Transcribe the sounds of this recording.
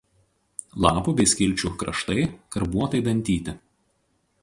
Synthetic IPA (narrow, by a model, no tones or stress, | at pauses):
lˠɑːpuːˑbʲɛɪsʲkʲɪlʲˑt͡ʃʲukɾɐ̰ʃt̪ɐɪkɐɾbuɔt̪ɐɪd̪ɐnʲt̪ʲiːt̪ʲɪ